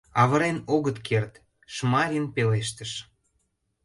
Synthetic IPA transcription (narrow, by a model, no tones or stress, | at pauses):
ɑβə̆ɾenoɣət̪kʰert̪ | ʃmɑɾʲinpeleʃt̪ə̆ʃ